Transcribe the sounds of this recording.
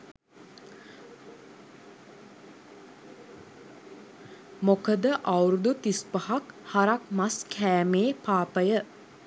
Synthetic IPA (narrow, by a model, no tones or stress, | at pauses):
mokəd̪əʔawɾud̪ut̪ispəhakhaɾakmaskʰæːmeːpaːpəjə